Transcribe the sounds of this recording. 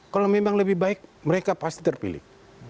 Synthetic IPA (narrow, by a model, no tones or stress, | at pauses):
kalomemaŋləbɪhbaɪk̚məɾekapast̪i̥t̪ərpḭlɪ̰h